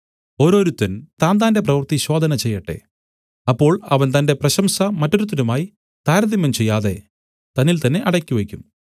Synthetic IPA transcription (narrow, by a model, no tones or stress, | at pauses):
o̞ːɾo̞ːɾut̪ːɐnt̪aːnd̪aːnde̞p̬rɐʋɐrt̪iɕo̞ːd̪ʱɐnɐt͡ɕe̞jːɐʈːe̞̰ | ɐpːo̞ːɭɐʋɐnt̪ɐnde̞prɐɕɐmsɐmɐtːo̞ɾut̪ːɐnumaːji | t̪aːɾɐd̪imːɐmt͡ɕe̞jːaːðe̞̰ | t̪ɐnːilt̪ɐnːe̞ʔɐɽɐkʲːiʋekʲːum